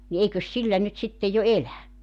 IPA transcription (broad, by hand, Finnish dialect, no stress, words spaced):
ni eikøs silːæ nyt sitːe jo elæ